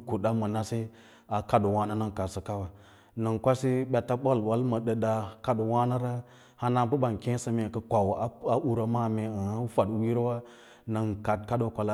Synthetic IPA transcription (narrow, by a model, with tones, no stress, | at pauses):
ku˨ɗa˦mə˨na˦se˦ | a˨ka˦do˨wa˦na˦na˦ŋka˨sə˨ka˦wa˨ | na˨ŋkʷa˦si˦ɓʲa˨ta˦ɓo˦˨lwa˦lmə˨ɗə˨ɗa˨ka˦do˨wa˦na˦ɾa˦ | ha˦na˦bə˦ba˨nkẽ˦sə˨me˨kə˨kʷa˨wa˦a˦ʔu˦ɾa˨ma˦˨me˨ə˨a˦fa˨dwi˦ɾwa˦ | na˨ŋka˨t̚ka˦ɗo˨kʷa˨la˦